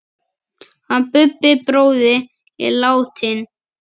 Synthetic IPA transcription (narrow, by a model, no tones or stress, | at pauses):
hanpʏpːɪpɾoːwðɪ | ɪ̰laːwt̪ʰɪn